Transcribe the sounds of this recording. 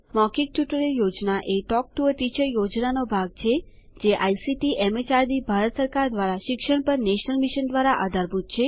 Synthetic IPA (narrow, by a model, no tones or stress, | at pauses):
makik̚ʈjuʈəɾeljod͡ʒnaʔeʈɔk̚ʈuət̪it͡ʃəjod͡ʒnanobʱaɡ̚t͡ʃʰe | d͡ʒeʔajsiʈiʔɛmət͡ʃaɾd̪ibʱaɾət̪səɾkaɾd̪ʋaɾaʃɪkʃəɳpəɾneʃnəlmiʃənd̪ʋaɾaʔa̰d̪ʱaɾbʱut̪̚t͡ʃʰe